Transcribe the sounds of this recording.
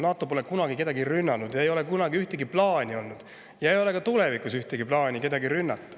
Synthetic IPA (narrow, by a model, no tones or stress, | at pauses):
nɑːt̪ːˑo̞po̞le̞kunɑɡ̥ike̞d̪ɑɡirynːɑnud̪̥jɑe̞jo̞le̞kunɑɡiyht̪eɡiplɑːnʲio̞lnud̪̥ | jɑejo̞le̞kɑt̪ule̞vikusyht̪eɡiplɑːnʲike̞d̪ɑɡirynːɑt̪ːɑ̥